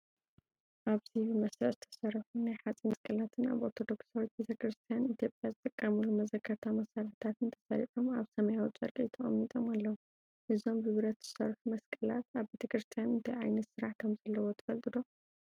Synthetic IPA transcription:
ʔaβzibɨmɐsɾɐʔzɨt̪ʰɐ̥sɐɾɐfunajħat͡sʼimɐskʼɐlat̪ʰɨna̰βoɾt̪ʰo̞d̪o̞ksawit̪̚bet̪ʰɐkɾɨst̪ʰijanit̪ʰijo̞pʼjazɨt̪ʼɨkʼːɐmulumɐzɐkʰːɐɾt̪ʰamɐsaɾɨħt̪ʰat̪ɨnt̪ʰɐ̥saɾiħomaβsɐmɐjawt͡sʼɐɾkʼit̪ʰɐχʼɐ̰mːit̪ʼo̞malːɐwum | ʔɨzo̞mbɨβɾɐt̪z̥ɨ̥sɐɾfumɐskʼɐlat̪aβbe̞t̪ʰɐkɾɨst̪ʰijanɨnt̪ʰajʕajnɐt̪sɨɾaħt̪ʰo̞mzɐlːɐwot̪ʰɨ̥fɐlt̪ʼɨd̪o̞

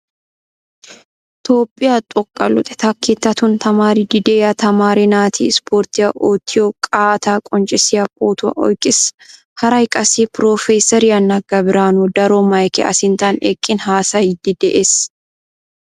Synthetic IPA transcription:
ɪt̪o̞ːpʼːɪjaːt̪ʼɔkʼːɐlʊ̰t̪ʼɛ̥t̪ʰɐkʰːet̪ːɐt̪ʊnt̪ɐmaːɾid̪ɪd̪eːjɐt̪ɐmaːɾɛnaːt̪ʰḭːspʰoːɾt̪ɪjɐʔoːt̪ʰɪjokʼaːt̪aːkʼɔnt͡ʃʼɪsɪjɐpʼoːt̪ʊɐ̰ʔɔ̰jkʼɪs | hɐɾɐɪkʼɐsiːpɾoːfeːsɐɾɪɐnːɐɡɐbɪɾaːnud̪ɐɾoːmɐjkɛʔɐ̰sɪnt̪aːnḛkʼːɪnɦaːsɐid̪ɪd̪ɛʔes

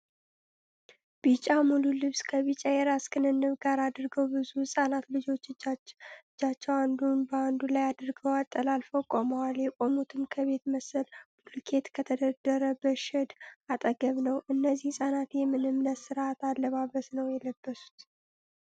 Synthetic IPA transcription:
b̥it͡ʃʼːamululɨβskʰəβit͡ʃʼajɛɾaskʰɨnɨnːɨβɡaɾad̪ɾɡəwbɨzuhsʼanat̪lɨd͡ʒo̞t͡ʃːɨ | ɨd͡ʒːat͡ʃːɛwand̪unbəand̪ulajad̪ɾɡəwat̪ʼːəlalfəkʼːoməwaljɛkʷʼo̞mut̪ʰɨmkʰəβe̞t̪məsəlb̥ulkʰe̞t̪kʰət̪ʰəd̪əd̪əɾəbəʃɛd̪at̪ʼəɡəβnəwɨnːəzːihsʼanat̪jɛmːɨnɨmnət̪sɨɾʔat̪alːəβaβəsnəwjɛləbːəsu̥t̪

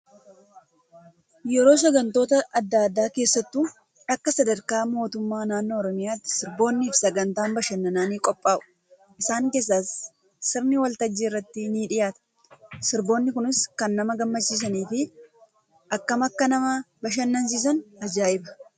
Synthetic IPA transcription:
jɛɾo̞ːs̬ɐɡɐnt̪o̞ːt̪ɐɐd̪ːaːd̪ːaːke̞ːsːɐt̪ːu | ɐkːɐsɐd̪ɐɾkaːmo̞ːt̪ʊmːaːnaːnːo̞ːɾɔmɪjaːt̪ːɪ̥sɪɾbo̞ːnːiːfsɐɡɐnt̪aːmbɐʃɐnːɐnaːniːkʼɔpʼːaːʔʊ̥ | ʔɪsaːŋke̞ːs̬ːaːsː | ɪɾnɪwɐlt̪ɐd͡ʒːiɪrːɐt̪ːɪniːᶑɪjaːt̪ɐ̥ | sɪɾbo̞ːnːɪkʊnɪskɐnːɐmɐɡɐmːɐt͡ʃːiːs̬ɐniːfɪ | ʔɐkːɐmɐkːɐnɐmɐ | bɐʃ̬ɐnːɐns̬iːs̬ɐnɐd͡ʒaːʔɪbɐ̥

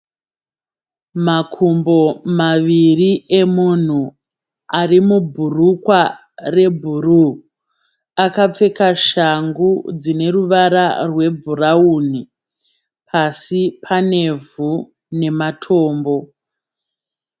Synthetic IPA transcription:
makʰumbo̞maʋirie̞mun̤u | arimubʱurukwa | re̞bʱuru | akap͡fe̞kaʃaŋɡud͡zine̞ruʋaɾarwe̞bʱurauːni | pʰasipʰane̞vʱu | ne̞matʰoːmbo̞

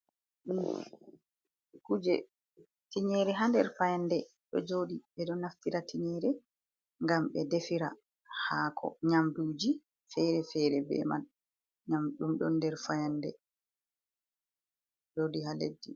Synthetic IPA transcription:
ɗun | kud͡ʒɛ̰ | tiɲɛɾɛɦandɛɾfajandɛ | ɗɔ̰d͡ʒoɗiɓɛɗɔnaftiɾatʰiɲɛɾɛ | ŋɡamɓɛdefiɾa̰ | haːkʰɔ̰ɲamduːd͡ʒi | fɛɾɛfɛɾɛbɛ̰ma̰n | ɲamɗumɗɔndɛɾfajandɛ̰ | d͡ʒoːdiɦalḛdːi

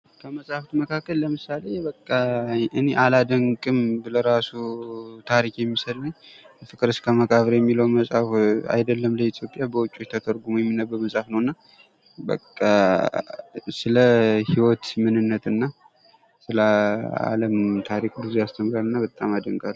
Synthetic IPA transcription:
kʰəməsʼaft̪məkʰakːəlləmɨsale̞bəkʼːaɨne̞ʔalad̪əŋkʼɨmbɨləɾasut̪ʰaɾikjɛmːisəd̪nɨɲː | fɨkʼɨɾɨskʰəməkʼaβɾejɛmːiləwməsʼafa̰jd̪əlːəmləit̪ʰjo̞pʼjabəwʊt͡ʃʼːo̞t͡ʃːt̪ʰət̪ʰəɾɡumujɛmːinːəbːəməsʼafnəwɨnːa | bə̰kʼːa | sɨləhiwɔt̪mɨnɨnːət̪ɨnːa | sɨləa̰ləmt̪ʰaɾikd̪ɨzejast̪ʰəmɾalːɨnːabət̪ʼːamad̪əŋɡʼalː

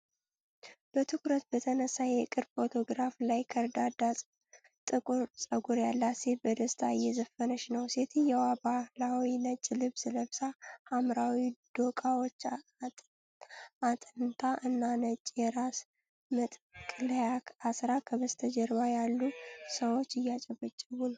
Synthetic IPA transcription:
b̥ət̪ʰɨkɾət̪̚bət̪ʰənəsːajɛkʼɨɾbfo̞t̪ʰo̞ɡɾaflajkʰəɾd̪ad̪asʼ | t̪ʼɨkʼuɾsʼəɡuɾjalːasebəd̪əst̪ʰaɨjːɛzəfənəʃnəwse̞t̪ʰɨjɛwabahlawinət͡ʃʼːlɨβsɨləβsahamɾawid̪̥o̞kʼawot͡ʃː | at̪ʼɨnt̪ʰaʔɨnːanət͡ʃʼjɛɾas | mɨt̪ʼkʼɨljakʰasɾakʰəβəst̪ʰəd͡ʒɛɾβajalːusəwo̞t͡ʃːɪjːat͡ʃʼɛbːət͡ʃʼːɛβunəw

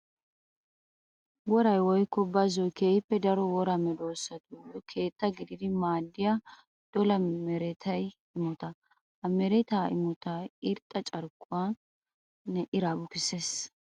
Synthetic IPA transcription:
wɔɾɐjwɔjkːɔbːazɔjkeːjɪpːɛd̪ɐɾɔwɔɾamɛd̪oːsːɐt̪uɔkʰe̞ːt̪ːɐɡɪd̪ɪd̪ɪmaːd̪ːɪja | d̪̥ɔlɐmɛɾɛt̪ʰɐj | ɪmɔt̪ɐ | hɐmɛɾɛt̪aːɪ̰mɔt̪aɪɾt̪ʼːɐt͡ʃʼɐɾkʼːʊwa | nɛʔɪɾabʊkɪses

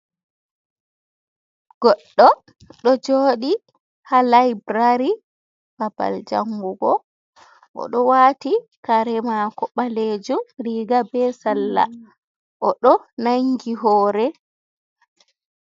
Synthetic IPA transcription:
ɡ̥ɔɗːɔ | ɗɔd͡ʒoːɗi | halajbɾaɾi | b̥aba̰ld͡ʒa̰ŋɡuɡɔ | ʔɔ̰ɗɔwatikaɾɛmakɔɓaleːd͡ʒumɾiɡabɛsalːa̰ | ʔɔɗɔnaŋɡiɦɔːɾɛ

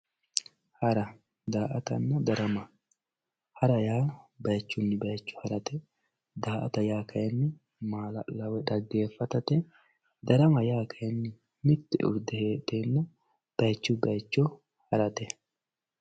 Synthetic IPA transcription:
hɐɾɐ | d̪aːʔɐt̪ɐnːɐd̪ɐɾɐmɐ | hɐɾɐjaːbɐjt͡ʃːʊnːɪbɐjt͡ʃːʊ̥hɐɾɐt̪ɛ | d̪aːʔɐt̪ɐjaːkʰɐjɐnːɪ | maːlɐ̰lɐwɛᶑ̪ɐɡːe̞ːfːɐt̪ɐt̪ɛ | d̪ɐɾɐmɐjaːkʰɐjɐnːɪ | mɪt̪ːɪ̰ʔʊ̰ɾd̪ɛheːᶑ̪eːnːɐ | b̥ɐjt͡ʃːʊbɐjt͡ʃːɔ | hɐɾɐt̪ɛ

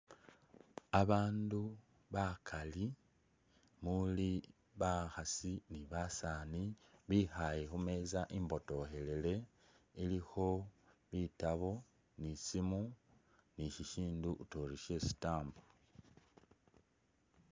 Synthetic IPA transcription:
aβaːndu | βakʰali | muli | βaxasiniβasaːniβixaje̞xume̞ːzaʔimbo̞to̞xe̞le̞le̞ | ilixo̞βitaβo̞ | nisimu | niçiʃiːndutoɾiʃe̞si̥taːmbo

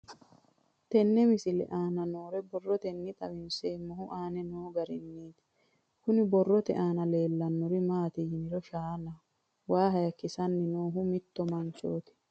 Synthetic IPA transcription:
t̪ɛnːɛmɪsɪlɛ̰ʔaːnɐno̞ːɾɛbɔrːɔt̪ɛnːɪt̪ʼɐbɪnseːmːɔɦʊʔaːnɛnoːɡɐɾɪnːiːt̪ɪ̥ | kʊnɪbɔrːɔt̪ɛ̰ʔaːnɐle̞ːlːɐnːɔɾɪmaːt̪ɪjɪnɪɾɔʃaːnɐ | waːɦɐjɐkːɪsɐnːɪnoːɦʊmɪt̪ːɔmɐnt͡ʃːoːt̪ɪ̥

